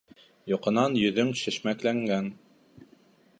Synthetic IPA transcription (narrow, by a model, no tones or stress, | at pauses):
jŏqɤ̆nɑnjɵ̆ðɵŋʃɘ̆ʃmæklæŋɡæn